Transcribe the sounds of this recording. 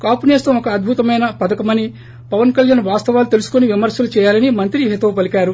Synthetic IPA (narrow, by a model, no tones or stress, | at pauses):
kaːpuneːst̪ɐmɔkɐːd̪̚bʱut̪ɐmɐjnɐpɐd̪ɐkɐmɐni | pɐʋɐnkɐljaːnʋaːst̪ɐʋaːlut̪e̞lusu̥koniʋimɐɾsɐlut͡ʃɛːjaːlɐnimɐnt̪ɾiɦet̪ɐːpɐlikaːɾu